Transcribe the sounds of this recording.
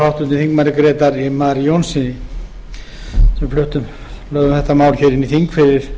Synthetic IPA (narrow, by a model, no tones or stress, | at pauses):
awht̪ʏnɪθiŋkmaɾɪkɾeːt̪aɾimaɾjownsɪnɪ | sɛmflʏht̪ʏm | lœːɣʏmθɛht̪ːamaːwlçɛɾɪniθiŋkfɪɾɪɾ̥